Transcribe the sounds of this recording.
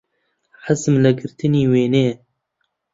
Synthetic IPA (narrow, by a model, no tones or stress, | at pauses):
ħəzmlɨɡɨɾt̪ʰɨniːweːneː